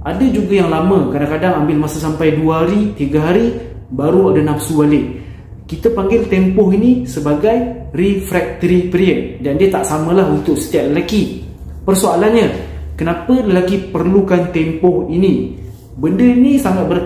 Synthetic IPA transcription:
ʔadəd͡ʒuɡajaŋlamə̃kadaŋkadaŋambɪlmasəsampajduaɦaɾit̪iɡaɦaɾi | baɾuadanãfsualɪ | kit̪əpaŋɡɪlt̪ɛmpɔɦinisəbaɡaj | rifɾɛk̚t̪əɾipɾiən̚dandiət̪aʔsamə̃laɦunt̪ʊk̚sə̥t̪iat̪̚ləlaki | pərsoalanɲə̃kənãpələlakipərlukant̪ɛmpɔhinĩ | bəndəinisaŋat̪̚bə

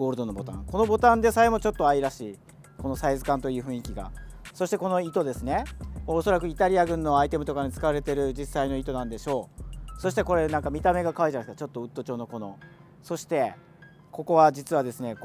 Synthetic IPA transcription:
ɡoːɾɯ̟d̪o̞no̞bo̞t̪ã̰ŋko̞no̞bo̞t̪ãnd̪e̞saemo̞t͡ɕo̞t̪ːo̞aiɾaɕiː | ko̞no̞saizɨkãnt̪o̞iɯ̟ɸɯ̟̃ikʲiɡa̰so̞ɕi̥t̪e̞ko̞no̞it̪o̞d̪e̞sɨne̞moːso̞ɾakɯ̟it̪aɾʲiaɡɯ̟̃nːo̞ait̪e̞mɯ̟t̪o̞kaɲit͡sɨ̥kaβaɾe̞t̪e̞ɾɯ̟d͡ʑisːaino̞it̪o̞nãnd̪e̞ɕo̞ːso̞ɕ̬i̥t̪e̞ko̞ɾe̞nãŋkamʲit̪ame̞ɡakaβaɾiʑanaskːat͡ɕo̞t̪ːo̞ɯ̟t̪ːo̞t͡ɕo̞ːno̞ko̞no̞̰ | so̞ɕi̥t̪e̞ | ko̞ko̞βad͡ʑit͡sɨβad̪e̞sɨne̞

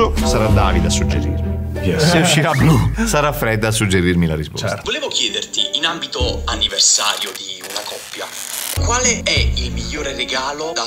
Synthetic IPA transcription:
osaɾad̪aːvid̪asːud͡ʒːḛɾḭrmijɛssːeuʃːiɾablusaɾafːɾɛd̪ːaːsːud͡ʒːeɾirmilaɾispɔ̰voleːvokjɛːd̪ert̪iinambit̪oanːiversa̰ːɾjod̪iunakɔpːja | kwaːleɛilmiʎːoːɾereɡaːlod̪a

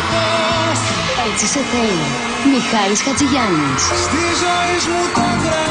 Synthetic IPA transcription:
et͡siseθe | mixɐɾiskɐt͡siʝɐnisst̪izo | izmut̪ond̪ɾɐ

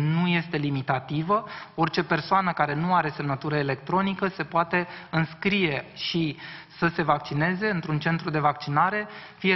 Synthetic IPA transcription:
nuje̞st̪e̞limit̪at̪ivəo̞rt͡ʃe̞pe̞rsoanəkaɾe̞nuaɾe̞se̞mnət̪uɾəele̞kt̪ɾo̞nikəse̞poat̪e̞ɨnskɾije̞ʃisəse̞vak̚t͡ʃine̞ze̞ɨnt̪ɾunt͡ʃe̞nt̪ɾud̪e̞vak̚t͡ʃinaɾe̞fije

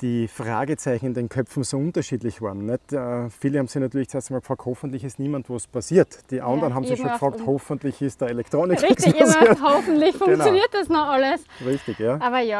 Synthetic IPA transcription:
d̥iːfʁa̰ːɡət͡sæɪçn̩ɪndeːnkʰœpfn̩soːʊ̃ntɐʃiːdlɪçv̥aɐn̩ːɛtəfiːləhaːmsɪçnatyːɐlɪtt͡seːɐstəmalkfʁaːkthofn̩t̪lɪçɪstniːmantvospʰasiːɐtd̥iːʔandəʁən̩ɦaːbmsɪçkfʁɑːk̚thofnt̪lɪçɪst̚d̥ɐːelɛktʁoːnɪkɪkssihɔfn̩tlɪçfʊ̃ŋnjoniːɐt̚d̥ɐsnɔχaləsʁɪçtɪçjaːʔaːbɐjaː

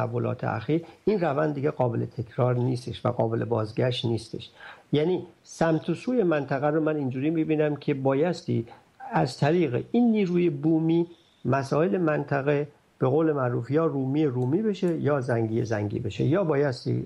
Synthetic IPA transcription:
ævːo̞lɒ̰ːt̪ʰḛʔæ̰xiːɾinrævænd̪d̪iːɡeɣɒːbe̞let̪ʰe̞kʰɾɒːɾniːst̪e̞ʃvæ̰ɣɒːbe̞lʔe̞̰bɒːzɡæʃt̪niːst̪e̞̰ʃjæːnisæmt̪ʰosuːje̞mænt̪ʰæɣæɾomænind͡ʒuːɾiːmibiːnæmcʰe̞bɒːjæst̪ḭː | æzt̪ʰæɾiːɣḛʔinːiːɾuːjebuːmiː | mæsɒːele̞mænt̪ʰæɣe | b̥e̞ɣoːle̞mæɾuːfjɒːɾuːmiːeɾuːmiːbe̞ʃe̞jɒːzæŋɟijḛzæŋɟḭbe̞ʃe̞̰jɒːbɒːjæst̪ḭ

